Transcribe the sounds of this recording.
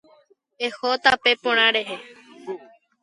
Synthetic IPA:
ehot̪apepõɽ̃ãɾeɦe

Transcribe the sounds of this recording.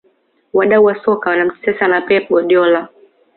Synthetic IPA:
waɗauwasɔkawanam̩tɛ̥sɛsanapɛpɔɗjɔla

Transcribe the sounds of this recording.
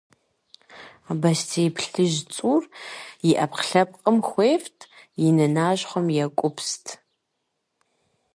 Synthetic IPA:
bɐstʰeːpʰɬɨʒt͡sʼuːrjɪʔɐpqɬɐp̚ʼqʼəmxʷeːftʰjɪnɨnaːʒχʷɔmjɛkʷʼʊpʰstʰ

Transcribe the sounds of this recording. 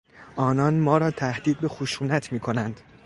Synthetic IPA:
ʔɒːnɒnmɒːɾɒːt̪ʰæhd̪iːd̪̚be̞xoʃuːnæt̪ʰmiːkʰo̞nænd̪̥

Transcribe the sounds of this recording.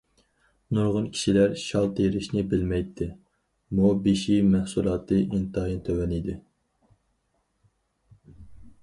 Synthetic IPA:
nuɾʁʊnkʲʰi̥ʃilæɾʃɑlˠt̪ʰeɾɪʃnɪbɪlmɛjt̪ʰːɪ | mubeʃimæhsulˠɑːt̪ʰɨʔint̪ɨɦint̪ʰøwɛnid̪ɪ

